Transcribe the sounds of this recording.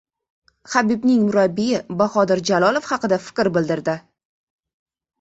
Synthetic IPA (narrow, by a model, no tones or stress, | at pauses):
habibnɪŋmʊɾabːijɪbahɒd̪ɪɾd͡ʒalˠɒlˠofhɑqɨd̪afɪ̥kʲɾbɪld̪ɪɾd̪ɪ